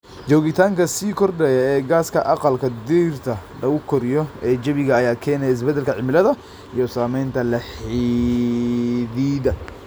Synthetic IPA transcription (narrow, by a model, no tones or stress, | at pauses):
t͡ʃɔːɣɪt̪ʰaːŋkʰɐsiːkʰɔrɖɛjɐɛːɡaːskʰɐʔɑqɑlkʰɐd̪iːrt̪ʰɐɖɐɣʊkʰɔɾɪjɔɛːd͡ʒɐβɪɣɐːjaːkʰɛːnɛjɪs̬bɛd̪ɛlkʰɐʕɪmɪlɐðɐ | ijɔsaːmɛjnt̪ʰɐlɐħi | ðiːðɐ